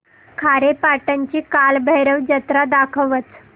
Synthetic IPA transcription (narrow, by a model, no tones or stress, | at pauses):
kʰaɾepaʈəɲt͡ɕiːkalbəjɾəʋd͡ʑət̪ɾad̪akʰəʋət͡s